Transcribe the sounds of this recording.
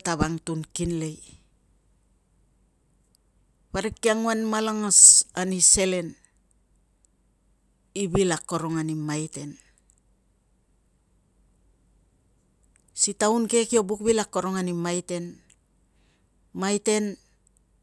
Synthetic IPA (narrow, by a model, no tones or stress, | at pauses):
taβaŋtunkinle̞j | βaɾekːiaŋuanmalaŋasanise̞le̞n | ibilakːo̞ɾo̞ŋanimajte̞n | sitaunke̞kio̞buk̚bilakːo̞ɾo̞ŋanimajte̞n | majte̞n